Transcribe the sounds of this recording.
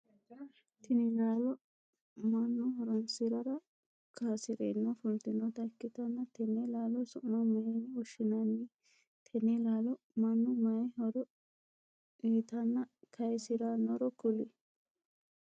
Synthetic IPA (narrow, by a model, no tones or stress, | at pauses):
t̪ʰɪnɪlaːlɔ | mɐnːʊɦɔɾɔnsɪɾɐɾɐ | kʰaːsɪɾḛːnːofʊnt̪ɪnːɔt̪ɐkːɪt̪ɐnːɐt̪ɛnːelaːlɔsɔʔnɔmɐjenːɔʃɪnanːɪ | t̪ʰɛnːelaːlɔ | mɐnːɔmɐjhɔɾɔ | iːt̪ɐnːɐkʰɐjsɪɾanːɔɾɔkʊlɪ